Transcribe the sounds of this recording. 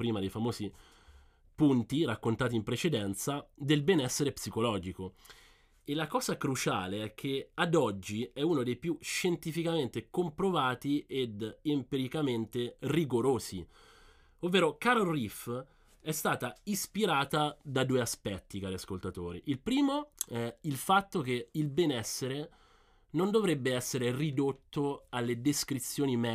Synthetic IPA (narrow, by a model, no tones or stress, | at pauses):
pɾiːmad̪ejfamoːzi | punt̪irakːont̪aːt̪̬impɾet͡ʃed̪ɛnt̪sad̪elbɛnɛsːeɾepsikolɔːd͡ʒiko | elakɔːzakɾut͡ʃaːleɛk̟ʰːead̪ɔd͡ʒːiɛuːnod̪ejpjuʃent̪ifikament̪ekompɾovaːt̪ied̪impiɾikament̪eriɡoɾoːsḭ | ovːeːɾokaːɾorif | ɛst̪aːt̪aispiɾaːt̪ad̪ad̪uːeaspɛt̪ːikaːɾiaskolt̪at̪o̰ːɾḭʔilpɾiːmoɛilfat̪ːok̟eilbɛnɛsːeɾe | nond̪ovɾebːeɛsːeɾerid̪ot̪ːoalːed̪eskɾit̪sːjoːnimɛ